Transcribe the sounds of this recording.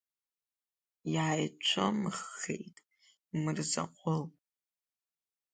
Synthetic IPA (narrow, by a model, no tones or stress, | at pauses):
jaːjt͡ʃʷʰomɨχːḛjtʼ | mɨrza̰qʷʼʰʊlʼ